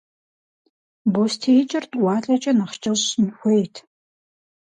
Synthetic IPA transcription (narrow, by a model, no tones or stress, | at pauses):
bostʰejt͡ʃʼɪrtʼwɑːɬʼɐt͡ʃʼɐnɐχt͡ʃʼɐɕnxʷeːtʰ